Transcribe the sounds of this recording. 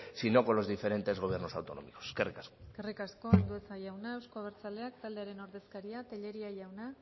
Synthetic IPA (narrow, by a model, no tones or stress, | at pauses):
sino̞ko̞lo̞zðife̞ɾe̞nt̪e̞zɣoβje̞ɾno̞sawt̪o̞no̞̰mikoskerikaskokerikasko̞ald̪ue̞saʝawnaewskoaβ̞eɾt͡sale̞akt̪ald̪e̞aɾe̞no̞ɾðe̞skaɾiat̪eʎe̞ɾiaʝawna